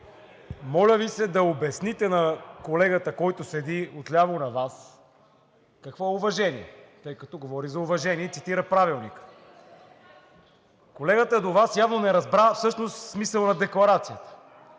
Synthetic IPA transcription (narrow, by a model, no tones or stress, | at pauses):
mɔlʲəvisɛd̪ɐobɛsnit̪ɛnɐkolɛɡət̪əkɔjt̪ʊsɛd̪iot̪lʲavonɐvas | kɐkvɔɛʊvɐʒɛniɛt̪ɤjkɐt̪ɔɡovɔɾizɐʊvɐʒɛniɛt̪sit̪iɾəpɾavilˠnikə̥ | kolɛɡət̪əd̪ovasjavnonɛɾɐzbɾafsɤʃnost̪ːmisəlˠnɐd̪ɛklˠɐɾat̪sijət̪ə̥